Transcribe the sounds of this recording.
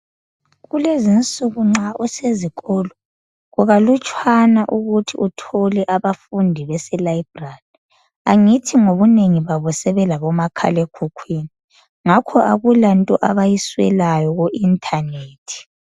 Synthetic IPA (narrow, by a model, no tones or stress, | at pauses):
ɣulezint͡sʼuɣuŋ͡ǁauseziɣɔlɔ | ɣuɣalut͡ʃʼʰwanaʔuɣutʰiʔutʰɔlɛʔaβafundʱiβɛsɛlaibrali | aŋitʰiŋoβuneŋiβaβɔsɛβɛlaβɔmakʰa̰lekʰukʰwini | ŋakʰɔʔaɣulantʼɔʔaβajiswɛ̰lajɔɣoʔintʰaneːtʰi̥